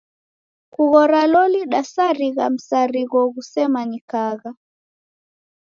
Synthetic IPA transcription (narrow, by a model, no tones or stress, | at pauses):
kuɣɔɾalɔliɗasaɾiɣam̩saɾiɣɔɣusɛmanikaɣa